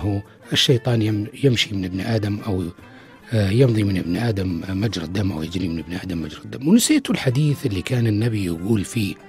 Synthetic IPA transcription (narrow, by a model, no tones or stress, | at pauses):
ɦu | ʔɪʃːɑjt̪ˤɑːnjɪjɪmʃimɪnʔɪbnʔaːd̪amʔaw | jɪnðˤimɪnʔɪbnʔaːd̪amːad͡ʒɾˤad̪ːamʔa̰wjɪd͡ʒɾimɪnɪbnʔaːd̪amːad͡ʒɾˤɪd̪ːamːwnɪseːt̪ʊlħad̪iːθʔɪlːikaːnɪnːabijɪɡuːlfiː